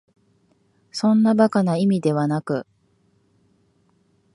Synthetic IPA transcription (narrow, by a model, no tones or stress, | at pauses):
sõ̞nːabakanaimʲid̪e̞βanakɯ̟